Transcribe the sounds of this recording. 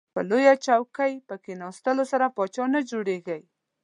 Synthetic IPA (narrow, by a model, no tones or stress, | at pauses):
pə̰lojat͡ʃawkajpəkenɑst̪əlosaɾapɑt͡ʃɑnad͡ʒoɽeɣəj